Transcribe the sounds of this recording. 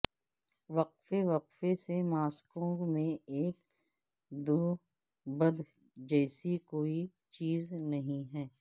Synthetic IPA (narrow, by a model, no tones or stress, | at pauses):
ʋɐqfeʋɐqfesemaːskõmẽeːk | d̪oː | bɐd̪ | d͡ʒɛːsikoːi | t͡ʃiːznɐɦĩɦɛː